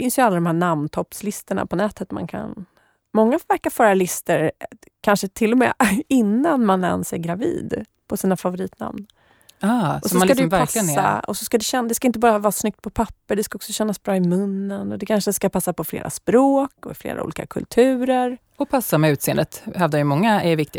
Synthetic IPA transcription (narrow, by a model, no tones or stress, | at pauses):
fɪnsjəalːad̪ɔmɦæːɳamnt̪ʰɔpːslɪst̪əɳa̰pʰɔnɛːt̪ət̪ma̰nkʰa̰n | mɔŋːafvæɾkaɾfœːɾalɪst̪əɾ | kʰanʂət̪ʰɪlːɔmɛ̰ːɪnːanmanɛ̰nsɛɡɾavḭːd̪ | pʰɔsiːnafavʊɾiːt̪na̰mn | aːɔsɔɔakadɛvæɾaklɪɡənːa̰ɔsɔskad̪ɛɕɛnd̪ɛskaɪnt̪əbɑːɾavɑːɾasnʏk̚t̪̚pʰɔpʰapːəɖ̪ɛskaɔksɔɕɛnːasbɾɑːɪmɵnːənɔd̪ɛkʰanʂəskapʰasːapɔflḛːɾʔa̰spɾoːkɔɪflḛːɾa̰ṵːliːka̰kʰɵ̰lt̪ʰʉ̟ːɾəɾ | ɔpʰasːamɛʉ̟t̪seːənd̪ət̪hɛvd̪ajʏmɔŋːaɛvɪkt̪ɪ